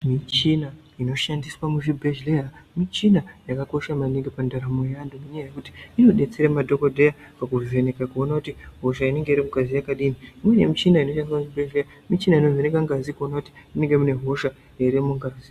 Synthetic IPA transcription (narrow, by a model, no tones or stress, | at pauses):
mit͡ʃina | ino̞ʃandiswamuʐibʱeʒlejamit͡ʃinajakako̞ʃamaniŋɡipandaɾamojandumuɲaajekuti̥ino̞ɗe̞t͡seɾamadʱo̞ko̞dʱe̞ja | pakuve̞nekakuo̞nakutiɦo̞ʃaine̞ŋɡe̞iɾimukazijakaɗiniimwene̞̰mit͡ʃinaino̞ʃandiswamuʐibʱeʒleja | mit͡ʃinainoveneŋɡaŋɡazikuonakuti̥ine̞ŋɡe̞mune̞ɦo̞ʃa | jeiɾemuŋɡazi